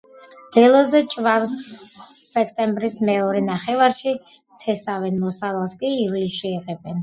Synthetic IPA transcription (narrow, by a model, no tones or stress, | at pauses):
d̪̥ɛlˠɔzɛt͡ʃʼvaɾsː | ɛkʰt̪ʼɛmbɾismɛɔɾɛnaχɛvaɾʃi | t̪ʰɛsavɛnmɔsalalˠskʼiːvlisʃiɛʁɛbɛn